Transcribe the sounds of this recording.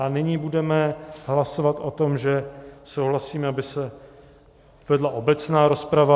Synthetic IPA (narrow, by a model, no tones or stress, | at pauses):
anɪɲiːbudɛmɛɦlasovat̪ʔo̞t̪omʒɛsowɦlasiːmɛabɪsɛ | vɛdlaʔo̞bɛt͡snaːɾo̞spɾava